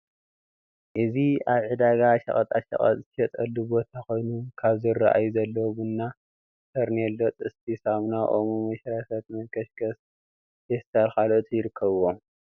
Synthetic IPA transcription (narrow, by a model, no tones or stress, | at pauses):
ʔɨziaβʕɨd̪aɡaʃɐ̰χʼɐt̪ʼaʃɐ̰χʼɐ̰t̪ʼʰːʃɐt̪ʼɐlːubo̞t̪ʰako̞jnukʰaβzɨrːaʔa̰juzɐlːowbɨnːa | sʰɐɾnelːot̪ʼɨst̪ʰisamnaʔo̰mumɐʃɾasɐt̪mɐnkʰɐʃkɐs | hest̪ʰalxalot̪ʰʼjɪɾɨkʰːɐβwo